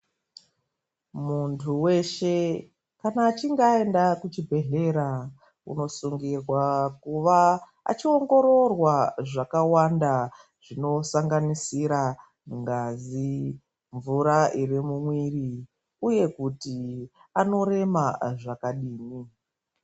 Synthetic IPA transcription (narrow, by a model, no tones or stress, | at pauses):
muntʰuwe̞ʃe̞ | kanaːt͡ʃiŋɡae̞ndakut͡ʃibʱe̞ɮe̞ɾa | ṵno̞suŋɡirwakuʋa | a̰t͡ʃio̞ŋɡo̞ɾo̞rwaʐakawanda | ʐ̥ino̞saŋɡanisiɾa | uŋɡaːzi | ɱvuɾairimumwiri | uje̞kutiano̞ɾe̞maʐakaɗiːni